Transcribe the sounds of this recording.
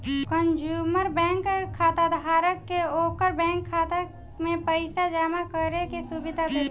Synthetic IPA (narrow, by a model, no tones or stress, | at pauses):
kənd͡ʒuːməɾbɛ̃ːŋkʰːaːt̪ad̪ʱaːɾəkːeoːkəɾbɛ̃ːŋkʰːaːt̪ak | mẽpəɪsad͡ʒaːmakəɾekesuːbɪd̪ʱad̪e